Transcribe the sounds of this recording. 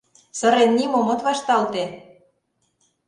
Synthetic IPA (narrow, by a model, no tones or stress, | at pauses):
sɤ̆ɾenːimomŏt̪βɑʃt̪ɑlt̪e